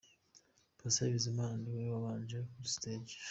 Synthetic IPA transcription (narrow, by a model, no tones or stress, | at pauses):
basaβizimaːndiweβaβaːnd͡ʒekusted͡ʒ